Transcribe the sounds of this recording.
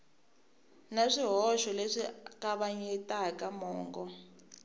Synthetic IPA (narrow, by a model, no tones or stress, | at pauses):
naʂiɦɔʃɔleʂikaβaɲɛtakamɔːŋɡɔ